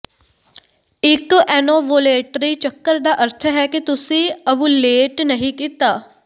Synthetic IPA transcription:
ɪkɛːnoːʋoːleːʈɾiːt͡ʃəkːəɾd̪aːʔəɾt̪ʰəɦɛːkit̪ʊsĩːəʋũːleːʈnəɦĩkiːt̪aː

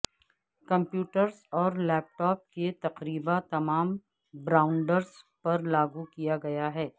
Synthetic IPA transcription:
kɐ̃mpjuːʈəɾzɔːɾlɛːp̚ʈɔːp̚ket̪ɐqɾiːbat̪ɐmaːm | bɾaːʊ̃ɳɖəɾzpɐɾlaːɡukijaɡɐjaɦɛː

